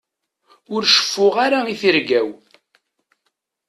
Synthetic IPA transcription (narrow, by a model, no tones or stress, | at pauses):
ʊɾʃə̥fːʊʁaɾaiθiɾɡæw